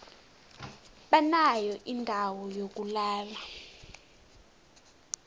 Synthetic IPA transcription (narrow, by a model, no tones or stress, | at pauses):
ɓanajɔʔindʱawɔjok̬ulaːla